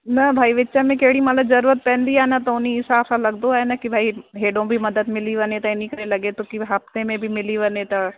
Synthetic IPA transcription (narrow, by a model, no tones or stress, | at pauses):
nɐbʱaːiʋɪtːʃamẽkeɦɽimɐt̪ləbzɐɾuːɾət̪̚pɛ̃ːnd̪iaɦnat̪oʊniɪsaːbsalɐɡd̪oaːɦenakibʱaːiɦeːɖõbʱimɐd̪əd̪mɪliʋɐnet̪ɐenĩkɐɾelɐɡet̪okiɦɐft̪emẽbʱimɪliʋɐnet̪ɐ